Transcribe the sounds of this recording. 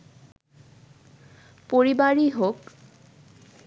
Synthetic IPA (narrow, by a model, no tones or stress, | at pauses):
poɹibaɹiɦok